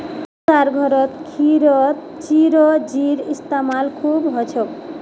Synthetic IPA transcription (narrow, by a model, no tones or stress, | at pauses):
saɾɡʱɔɾɔt̪kʰiɾɔt̪ | t͡ʃiɾɔd͡ʒiɾist̪amalkʰubɦɔt͡ʃʰok